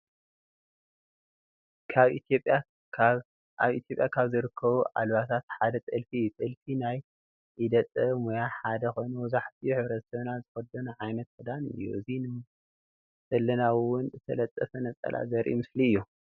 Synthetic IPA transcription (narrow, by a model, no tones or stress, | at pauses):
kʰaβʔit̪ʰjopʼːja | aβḭt̪ʰjo̞pʼjakʰaβzɨɾɨkʰːɐβuʔa̰lβat̪ʰat̪ħad̪ɐt̪ʼɨlfit̪ʼɨlfinaj | ʔid̪ɐt͡s̪ʼɐmojaħad̪ɐxo̞jnɐwɔzaħt̪ʰijħɨβɾɐt̪sɐβnazɨfɐd̪ɐnuʕajnɐt̪kɨd̪anɨ̰jːṵɨzinɨ | zɐlːɐnawʊnɨt̪ʰɐlɐt̪ʼːɐfɐnɐt͡sʼɐ̰lʔa̰zɐɾʔḭmɨsliɨjːu